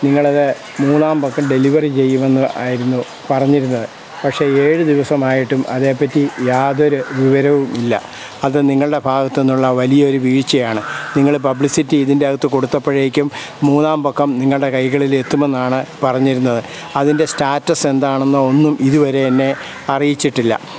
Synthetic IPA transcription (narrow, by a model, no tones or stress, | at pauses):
niŋːɐɭɐðɨ | muːnːaːmbokːɐmɖe̞liʋɐrit͡ɕe̞jːume̞nːuʔa̰ːjiɾunːu | pɐrɐɲːiɾunːɐðɨ | pɐkʂe̞eːɻɨd̪iʋɐsɐmaːjiʈːumʔɐðe̞ːpːɐtːijaːðo̞ɾuʋiʋɐɾɐʋumilːɐ̰ | ɐðɨniŋːɐɭɨɽe̞bʱaːɣɐt̪ːe̞nːuɭːɐʋɐlijɐo̞ɾuʋiːɻt͡ɕːɐjaːɳɨniŋːɐɭpɐbɭisitːiːðinde̞ɐɣɐt̪ːɨko̞ɽut̪ːɐpːeɻeːikʲːumː | uːnaːmbokːɐmniŋːɐɭɨɽe̞kɐjɣɐɭile̞t̪ːume̞nːaːɳɨpɐrɐɲːiɾunːɐðɨ | ɐðinde̞staːtːɐse̞nd̪aːɳenːɐonːumʔiðuʋɐɾe̞ɐnːe̞ | ɐrijit͡ɕːiʈːilːɐ̰